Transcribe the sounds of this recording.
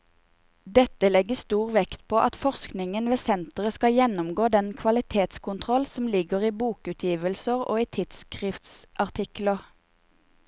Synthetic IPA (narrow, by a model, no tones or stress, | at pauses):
d̪ɛt̪əlɛɡəst̪uːʁʋɛkt̪pʰoːʔɑt̪fɔʁsknɪŋənʋeːsɛnt̪əʁəskɑjɛnʊmɡoːd̪ɛnkʰʋɑlɪt̪ʰeːt̪skʊnt̪ʰʁɔlsɔm̩lɪɡəʁiːbuːkʉːt̪ʰjiːʋəlsəʁo̰ːiːt̪ʰɪt̪skʁɪft̪sʔɑʁt̪ʰɪkləʁ